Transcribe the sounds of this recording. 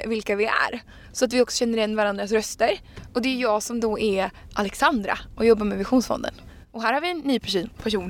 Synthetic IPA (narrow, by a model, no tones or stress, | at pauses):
vɪlkavɪæ̰ɾ | sɔat̪vɪɔksɔ̥ɕɛnːəɾɪjɛnːvaɾand̪ɾasɾœst̪əɾɔd̪ɛjɵjɑːɡsɔmd̪oʔɛɾʔalɛksand̪ɾa̰ʔɔjɔbːaɾmɛvɪɧuːnsfɔ̰nd̪ə̰n | ɔɦæːɾhaɾvɪɛnːyːpʰæʂuːnpʰæʂuːn